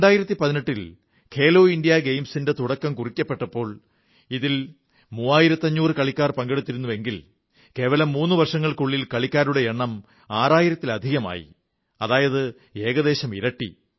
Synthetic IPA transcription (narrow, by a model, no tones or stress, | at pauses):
eɳɖaːjiɾɐt̪ːipɐðineʈːil | kʰe̞ːloːindijaɡejmsindet̪uɽɐkːɐmkurikʲːɐpːe̞ʈːɐpːo̞ːɭ | iðil | muːaːjiɾɐt̪ːɐɲːuːrɨkɐɭikʲːaːrpɐŋɡe̞ɽut̪ːiɾunːuʋe̞ŋɡil | ke̞ːʋɐlɐmːuːnːɨʋɐrʂɐŋːɐɭkuɭːilkɐɭikʲːaːɾuɽe̞eɳːɐm | aːraːjiɾɐt̪ːilɐd̪ʱiɣɐma̰ːjḭ | ɐðaːjɐðɨ | e̞ːɣɐðe̞ːɕɐmḭɾɐʈːḭ